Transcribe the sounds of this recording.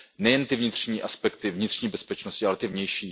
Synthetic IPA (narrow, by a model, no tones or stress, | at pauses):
nɛjɛnt̪ɪvɲɪt̪r̝̥ɲiːʔaspɛk̚t̪ɪvɲɪt̪r̝̥ɲiːbɛspɛt͡ʃnoscɪʔalɛt̪ɪvɲɛjʃiː